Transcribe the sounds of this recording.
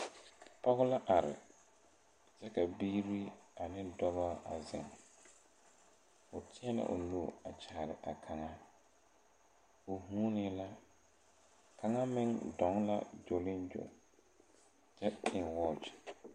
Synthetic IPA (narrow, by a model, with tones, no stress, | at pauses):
pɔ˦ɣʊ˦la˦ʔa˨ɾɪ̰˨ | d͡ʒɛ˦ka˨biː˦ɾi˦a˨nɪ˦dɔ˦ba˦a˨zɪ̰˨ŋ | ʊ˨tʰɪ˦ɛ˦la̰˨ʔʊ̰˨nu˦˨a˨t͡ʃʰaː˨ɾɪ˨ʔa˨kʰa˨ŋa˦ | ʊ˨huː˦nɪ˦la˦ | kʰa˨ŋa˦mɪ˦ŋdɔ˨˦ŋla̰˦d͡ʒo˨lɪ˦nd͡ʒo̰˨ | t͡ʃɛ˦ɪ˨nwɔː˦t͡ʃ